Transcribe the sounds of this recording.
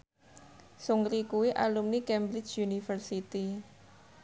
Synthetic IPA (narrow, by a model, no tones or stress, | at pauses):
suŋɾikuwiʔalumnikɛmbɾɪt͡ʃjunifərsit̪i